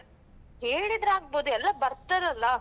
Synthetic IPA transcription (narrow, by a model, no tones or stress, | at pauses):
ɦeːɭid̪ɾaːɡ̚boːd̪uɛlːɐbɐɾt̪ɐɾɐlːɐ